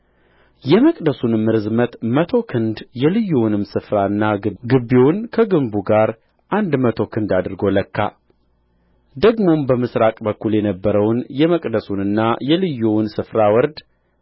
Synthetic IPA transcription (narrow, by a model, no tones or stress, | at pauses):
jɛməkʼd̪əsunmːɨɾɨzmət̪mət̪ʰo̞kʰɨnd̪jɛlɨjːuwnɨmsɨfɾaɨnːaɡɨɡɨbːewnkʰəɡɨmbuɡaɾ | ʔand̪mət̪ʰo̞kʰɨnd̪ad̪ɨɾɡo̞ləkːa̰ | d̪əɡmo̞mbəmɨsɾakʼbəkːuljɛnəbːəɾəwnjɛməkʼd̪əsunɨnːajɛlɨjːuwnsɨfɾawɔɾd̪